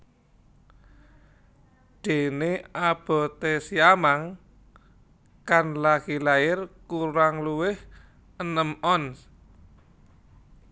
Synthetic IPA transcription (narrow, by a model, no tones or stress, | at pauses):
d̪̥e̤neab̥ɔ̤t̪esiamaŋ | kanlaɡ̥ilaɪrkuɾaŋluwɪh | ənəmɔns